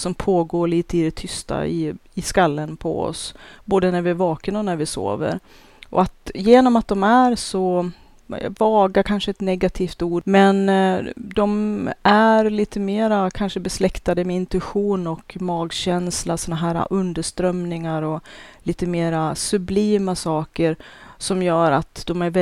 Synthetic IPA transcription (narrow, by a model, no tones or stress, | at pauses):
sɔmpʰoːɡoːɭiːt̪əɪd̪ɛt̪ʰʏst̪a̰ɪ̰ɪskalːənpʰɔ̰ɔ̰sboːd̪ənæɾvɪæɾvɑːkənɔnæɾvɪso̰ːvə̰ɾ | ʔɔ̰at̪jeːnɔmat̪̚d̪ɔmæɾsɔ̰ | vɑːɡaɾkʰanʂəɛt̪nɛɡat̪ʰiːft̪uːɖmɛnd̪ɔmæɾliːt̪ʰəmeːɾakʰanʂəbɛslɛkt̪ad̪əmɛɪnt̪ɵɧuːnɔkmɑːɡɕɛnslasɔnaɦæːɾa̰ʔɵnd̪əʂt̪ɾœmnɪŋaɾɔliːt̪əmeːɾasɵbliːmasɑːkəɾsɔmjœːɾat̪d̪̥ɔmæɾvɛ